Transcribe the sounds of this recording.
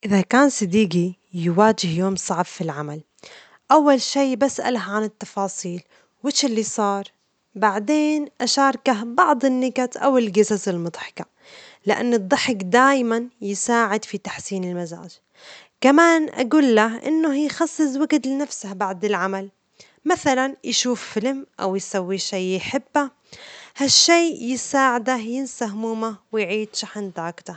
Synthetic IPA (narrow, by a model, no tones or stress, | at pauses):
ʔɪðakaːnsˤɨd̪iːɡijɪwaːd͡ʒɪhjoːmsˤɑʕbfilʕamal | ʔawːalʃiːbasʔa̰lahʕanɪt̪ːɑfɑːsˤiːl | wɪʃɪlːisˤɑːɾˤ | baʕd̪eːnʔaʃɑːɾˤɑkabɑʕd̪ˤɪnːɪɡat̪ʔa̰wɪlɡɪsasɪlmʊd̪ˤħɪ̥ka | lɪʔa̰nːɨd̪ˤːɑħɪkd̪aːjmanjɪsaːʕɪd̪fit̪ḁħsiːnɪlmaza̰ːd͡ʒ | kamaːnʔa̰ɡuːlːaɦʔɪ̰nːʊhjxɑsˤːɨs̬ˤwaɡt̪lɪnafsahbaʕd̪ɪlʕamal | maθalanjʃuːfːɪlmʔa̰wjsawːiʃeːɪħɪbːa | haʃːeːjɪsaːʕɪd̪ajɪnsahmuːmawɪjʕiːd̪ʃaħɪnd̪aːkt̪a